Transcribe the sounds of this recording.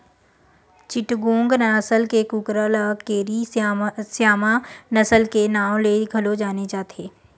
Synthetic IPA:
t͡ʃɪʈɡõːŋɡnsəlkekukɾələːkeːɾisjaːmanɐsəlkenaːw̃leɡʱɐlod͡ʒaːnet͡ʃaːt̪eː

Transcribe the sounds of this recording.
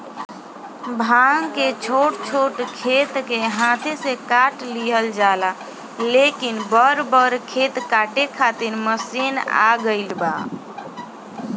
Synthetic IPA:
bʱaŋket͡ʃʰoʈt͡ʃʰoʈkʰet̪keɦãt̪ʰesekaʈliɦəld͡ʒala | lekinbəɾbəɾkʰet̪kaʈekʰat̪iɾməsina̰ɡəɪlba

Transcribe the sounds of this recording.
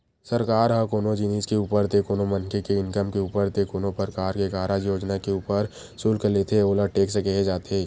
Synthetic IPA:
sɐɾkaːɾɦãkoːnod͡ʒɪniːskeuːpəɾt̪ekoːnomɐnkekeɪnkəmkeuːpəɾt̪ekoːnopəɾkaːɾkekaːɾajoːd͡ʒnakeuːpəɾ | suːlkəlet̪ʰeoːləʈeːksekeɦed͡ʒaːt̪eː

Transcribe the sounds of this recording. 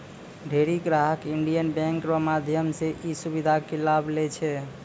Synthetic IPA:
ɖʱeɾiɡɾaɦəkiɳɖijənbɛ̃ŋkɾɔmad̪ʱjəmseʔisubid̪ʱakilablɛt͡ʃʰɛ

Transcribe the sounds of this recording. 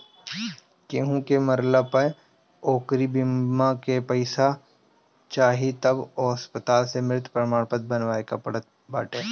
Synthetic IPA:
keɦũkeməɾləpəj | oːkɾibɪmãkepəɪsa | t͡ʃaːɦit̪ɐbɔːɐspət̪aːlsemɾɪt̪ʰpɾəmaːɽ̃pət̪̚bənʋaːekaɐ | baːʈeː

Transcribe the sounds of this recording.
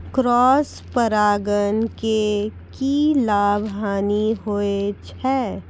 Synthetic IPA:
kɾɔːs | pəɾaːɡənke | kilaːbʱɦaːniɦoːet͡ʃʰɛː

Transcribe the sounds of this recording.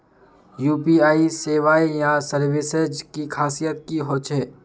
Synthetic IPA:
juːpiaːiseːʋaːijãsəɾʋɪsed͡ʒkikʰaːsijət̪̚kiɦoːt͡ʃɛː

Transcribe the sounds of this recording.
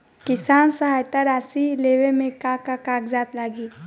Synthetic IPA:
kɪsaːnsəɦaːjt̪aɾaːsileːʋemẽkãːkakaːkd͡ʒaːt̪laːɡiː

